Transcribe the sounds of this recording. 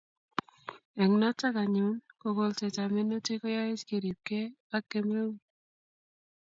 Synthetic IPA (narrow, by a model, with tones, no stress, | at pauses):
ɛ˨ŋnɔ˦t͡ʃːa˦ka˨ɲʊ˦nko˨ɡo˨lt͡ʃɛ˨t͡ʃa˨mɪ˦no˦t͡ʃe˦ko˦ja˦ɪ˦t͡ʃke˨ɾi˨p̚ke˦ | a˦kːe˦me˦u˦